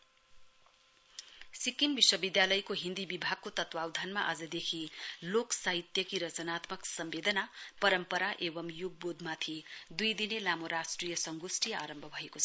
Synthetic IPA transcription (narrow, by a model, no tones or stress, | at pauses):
sikimbiswʌbid̪jalʌjkoɦind̪ibibʱaɡ̚kot̪ʌt̪wawd̪ʱanmaʔʌd͡zʌd̪ekʰiloksaɦit̪jʌkiɾʌt͡sʌnat̪mʌksʌmbed̪ʌnapʌɾʌmpʌɾaʔebʌmjuɡ̚bod̪ʱmat̪ʰid̪ujd̪inelamoɾasʈrijʌsʌŋɡosʈijʌaɾʌmbʱʌbʱʌekot͡sʰʌ